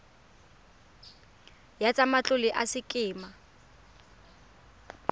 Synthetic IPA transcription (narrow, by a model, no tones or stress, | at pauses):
jat͡sʼamat͡ɬʼʊlɪʔasɪkʼɪːma